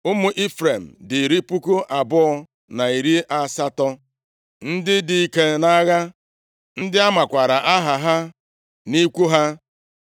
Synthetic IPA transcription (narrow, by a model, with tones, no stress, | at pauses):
ʊ˦mʊ˦ʔi˦fɾe˨m̩˨dɪ˨ɾi˦pu˦ko˦ʔa˨bʊ˦ɔ˦ | na˨i˨ɾi˦ʔa˨sa˦tɔ˦ | n̩˦dɪ˦dɪ˨i˦ke˦na˦ɣa˦ | n̩˦dɪ˦a˦ma˨kʷa˨ɾa˨ʔa˦ɦa˨ɦa˦ | ni˦kʷu˦ɦa˦